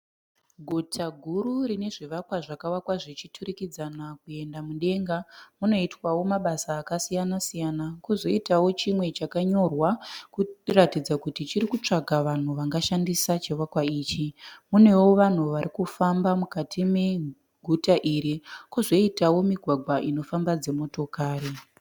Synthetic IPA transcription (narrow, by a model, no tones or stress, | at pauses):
ɡʱutʰaɡʱururine̞ʐiʋakwaʐakawakwaʐit͡ʃitʰuɾikid͡zanakue̞ndamuɗe̞ŋɡamuno̞itwawo̞maɓasaːkasijanasijanakuzo̞itawo̞t͡ʃimwe̞t͡ʃakaɲo̞rwakuratid͡zakutit͡ʃiɾikut͡ʂaɡʱaʋan̤uʋaŋɡaʃandisat͡ʃeʋakwaiːt͡ʃimune̞wo̞ʋan̤uʋaɾikufambamukatʰime̞ | ɡʱutaʔiɾikuzo̞itawo̞miɡʱwaɡʱwaʔino̞fambad͡ze̞mo̞to̞kaːri